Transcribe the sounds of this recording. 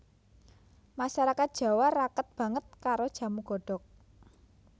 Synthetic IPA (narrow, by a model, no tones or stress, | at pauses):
masaɾakat̪̚d̥ʒ̥ä̤waɾakət̪̚b̥ä̤ŋət̪̚kaɾod̥ʒ̥ä̤muɡ̥ɔ̤ɖ̥ɔ̤k̚